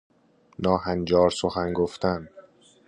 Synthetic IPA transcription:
nɒːhænd͡ʒɒːɾsoxænɡoft̪æn

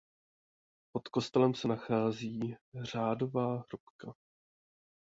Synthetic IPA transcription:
po̞t̪ko̞st̪ɛlɛmsɛnaxaːziːr̝̥aːdo̞vaːɦɾupka

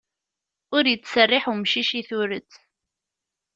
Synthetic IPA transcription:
ʊɾjət͡sːsərːɪħumʃiʃiθʊɾət͡sː

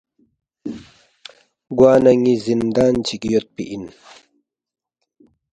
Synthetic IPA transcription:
ɡwaːnɐŋizind̪aːnt͡ɕʰikijot̪̚pḭʔin

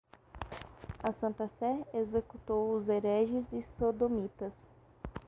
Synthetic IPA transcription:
ɐsɐ̃nt̪ɐsɛezekut̪owʊzeɾɛʒɪzɪsod̪omit̪ɐs

